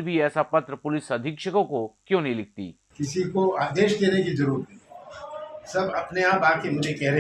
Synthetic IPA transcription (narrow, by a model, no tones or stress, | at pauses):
bʱiɛːsapɐt̪ɾəpʊlɪsɐd̪ʱɪkʃəkõkokjõːnɐɦĩlɪk̚ʰt̪ḭː | kɪsikoaːd̪eːʃd̪eːnekizɐɾuːɾt̪ʰi | sɐbɐpneaːpaːkemʊd͡ʒʱekɛɦɾe